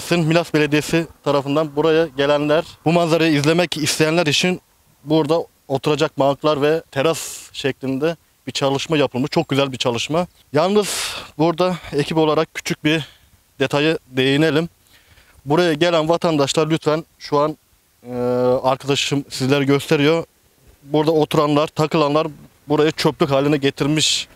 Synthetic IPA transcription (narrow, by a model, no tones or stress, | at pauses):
sɯnmilʲasbe̞lʲe̞d̪ijesit̪ʰaɾafɯnd̪anbuɾajaɟe̞lʲænlʲæɾ̥bumanzaɾajaizlʲemɛcist̪ʰe̞jænlʲæɾit͡ʃʰin | buɾd̪a | o̞t̪ʰuɾad͡ʒak̚maɯklˠaɾvɛt̪ʰeɾasʃɛclʲind̪ɛ | b̥it͡ʃʰalˠɯʃmajapʰɯlˠmɯʃt͡ʃʰo̞k̚ɟyzælʲbit͡ʃʰalˠɯʃma | jalˠnɯzbuɾd̪ae̞cʰipolˠaɾak̚cːʰy̥t͡ʃʰyc̚bi | d̪̥e̞t̪ʰajɯd̪e̞jine̞lʲim | buɾajaɟe̞lʲænvat̪ʰand̪aʃlˠaɾlʲyt̪ʰfænʃuan | aɾkʰad̪aʃɯmsizlʲeɾiɟø̞st̪ʰe̞ɾijo | buɾd̪ao̞t̪ʰuɾanlˠaɾt̪ʰakʰɯlˠanlˠaɾ | buɾajɯt͡ʃʰøplʲykhaːlʲinɛɟet̪ʰiɾmiʃ